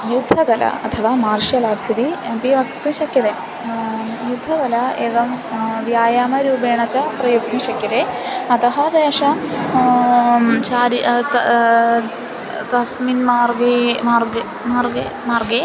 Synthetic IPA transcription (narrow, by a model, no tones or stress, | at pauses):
jud̪ʱːɐkɐlɐ̰ɐt̪ʰɐʋaːmaːɾʂjɐlaːʈsid̪iɐpiʋɐk̚t̪iʃɐkjɐd̪eː | jud̪ʱːɐkɐlɐeːɡɐmʋjaːjaːmɐɾuːbeːɳɐt͡ʃɐpɾɐjuk̚t̪iʃɐkjɐt̪eɐt̪ɐɦɐd̪eːʂɐ | t͡ʃaːɾit̪ | t̪ɐsminmaːɾɡemaːɾɡe | maːɾɡe | maːɾɡe